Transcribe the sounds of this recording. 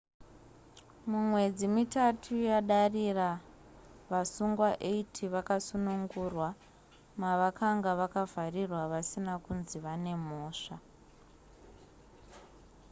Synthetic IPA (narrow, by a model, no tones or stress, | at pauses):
mumwe̞d͡zimitatʰujaɗarira | ʋasuŋɡwaʔeitʰiʋakasunuŋɡurwa | maʋakaŋɡaʋakavʱarirwaʋasinakunziʋane̞moːʂa